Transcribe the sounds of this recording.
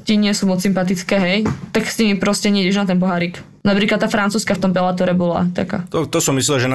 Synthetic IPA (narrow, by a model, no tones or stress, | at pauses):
t̪iɲɪɛsuːmɔt͡ssimpat̪it͡skɛːɦɛjt̪aksɲimipɾɔscɛɲɪɛiɟɛʒnat̪ɛnpɔɦaːɾiːk | napɾiːklat̪ːaːfɾant͡suːskaft̪ɔmpɛlat̪ɔɾɛbɔla̰t̪a̰ka̰ːt̪ɔt̪ɔsɔmːislɛlʒɛn